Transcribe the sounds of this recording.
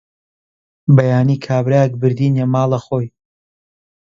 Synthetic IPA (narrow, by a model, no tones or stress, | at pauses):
bɐjaːniːkʰaːbɾajɛk̚bɨɾd̪iːnjemaːlˠɐxoːj